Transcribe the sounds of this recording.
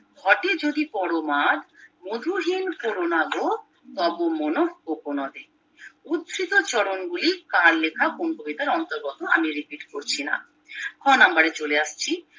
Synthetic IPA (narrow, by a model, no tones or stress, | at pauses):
ɡʱɔʈed͡ʑod̪ipɔɾomad̪mod̪ʱuɦinkoɾonaɡo | t̪ɔbomonohkokonɔd̪e | ud̪sɾit̪ot͡ɕɔɽonɡulikaɾlekʰakonkobid̪aɾɔnt̪oɾɡɔt̪oamiɾipiʈkoɾt͡ɕʰina̰ | kʰɔnambaɾet͡ɕoleaʃt͡ɕʰi